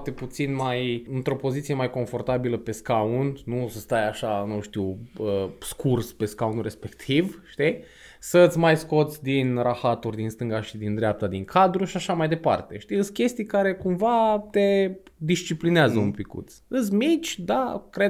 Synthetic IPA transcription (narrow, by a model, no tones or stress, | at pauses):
t̪eput̪sinmajɨnt̪ɾo̞po̞zit̪sijemajko̞ɱfo̞rt̪abiləpe̞skaunnusəst̪ajaʃanuʃt̪iwəskʰurspe̞skaunre̞spe̞kt̪ʰivʃt̪i | sət̪sʲmajsko̞t̪sʲd̪inraxat̪urʲd̪inst̪ɨŋɡaʃid̪ind̪ɾeap̚t̪ad̪iŋkʰad̪ɾuʃiaʃamajd̪e̞pa̰rt̪e̞ʃt̪iɨskʲe̞st̪ijkaɾe̞kumvat̪e̞ | d̪ist͡ʃiplineazəumpikṵt̪sʲɨs̬ʲmit͡ʃʲd̪akɾe